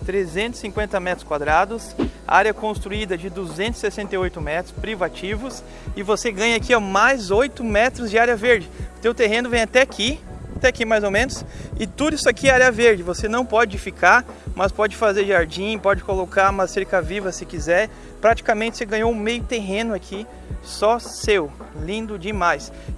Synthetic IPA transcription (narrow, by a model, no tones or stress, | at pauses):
t̪ɾezẽnt̪ʊ̥sĩkwẽnt̪ɐmɛt̪ɾʊ̥skwad̪ɾad̪ʊsa̰ɾjɐkõst̪ɾuid̪ɐd͡ʒɪd̪uzẽnt̪ʊz̥ɪ̥sesẽnt̪eojt̪ʊmɛt̪ɾʊspɾivat͡ʃivʊs | ɪvoseɡɐ̃ɲɐakiɐmajzojt̪ʊmɛt̪ɾʊzd͡ʒɪaɾjɐveɾd͡ʒɪʊt̪ewt̪eɦẽnʊvẽj̃at̪ɛakʰiat̪ɛakimajzomẽnʊsɪt̪ud̪ʊisʊakiaɾjɐveɾd͡ʒɪvosenɐ̃w̃pɔd͡ʒɪfikaɾ | mɐspɔd͡ʒɪfazeɾʒaɾd͡ʒĩpɔd͡ʒɪkolokamɐsseɾkɐvivɐsɪkizɛɾ | pɾat͡ʃi̥kɐmẽnt͡ʃɪ̥seɡɐ̃ɲoʊmejʊt̪eɦẽnʊakʰi | sɔsew | lĩnd̪ʊd͡ʒɪmajs